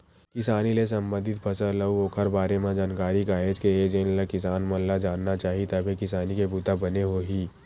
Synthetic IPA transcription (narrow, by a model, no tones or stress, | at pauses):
kɪsaːniles̬ə̃mbə̃nd̪ʱɪt̪pʰɐsələuoːkʰəɾbaːɾemãd͡ʒaːnkaːɾikaːɦed͡ʒkeed͡ʒeːnlakɪsaːnmɐllad͡ʒaːnːat͡ʃaːɦit̪ɐbʱɦekɪsaːnikebuːt̪abɐneɦoɦiː